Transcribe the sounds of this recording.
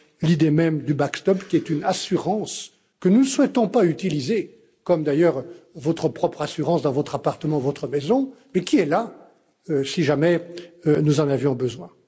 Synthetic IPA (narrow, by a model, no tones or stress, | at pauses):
lid̪emɛmd̪ybakst̪ɔpkʲiɛt̪ynasyʁɑ̃s | kənunswɛt̪ɔ̃payt̪ilize | kɔmd̪ajœːʁvɔt̪χəpχɔpχasyʁɑ̃sd̪ɑ̃vɔt̪χapaʁt̪əmɑ̃vɔt̪χəmɛzɔ̃ | mɛkʲiɛla | øsiʒamɛnuzɑ̃navjɔ̃bəzwɛ̃